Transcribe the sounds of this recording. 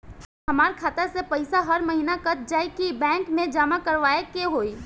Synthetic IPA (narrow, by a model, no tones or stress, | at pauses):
ɦɐmaːɾkʰaːt̪əɾsepɐɪsaɦɐɾmɐɦiːnakɐt̪̚d͡ʒaːikibɛ̃ːŋkmẽd͡ʒaːmakɐɾʋaːekeɦoːi